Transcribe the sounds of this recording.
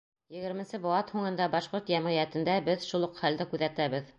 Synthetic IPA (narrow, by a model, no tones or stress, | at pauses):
jɘ̆ɡɘ̆ɾmɘ̆nsɘboɑt̪huɴɤ̆nd̪ɑbɑʃqoɾt̪jæmʁijæt̪ɘ̆nd̪æbɘðʃulˠuqχæld̪ɘkʉðæt̪æβɘð